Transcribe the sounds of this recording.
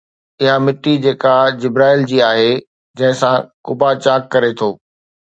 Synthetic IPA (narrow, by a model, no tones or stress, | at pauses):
ɪɦamɪʈːid͡ʑeːkad͡ʑɪbɾaːɪld͡ʑiːaːɦe | d͡ʑɐ̃ɦɪ̃sãkʊbat͡ɕaːkːɐɾet̪ʰoː